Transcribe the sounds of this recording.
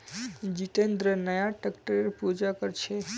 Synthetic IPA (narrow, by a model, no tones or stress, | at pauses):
d͡ʒiʈend̪ɾənəjaʈəkʈəɾeɾpud͡ʒakəɾt͡ʃʰe